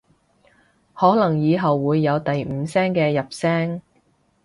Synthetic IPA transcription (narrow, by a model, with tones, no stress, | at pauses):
hɔː˨˥lɐ˨˩ŋjiː˨˧ɦɐ˨wːuː˨˧jːɐ˨˧wt̪ɐ˨jm̩ː˨˧sɛː˥ŋkɛː˧jɐ˨p̚sɛː˥ŋ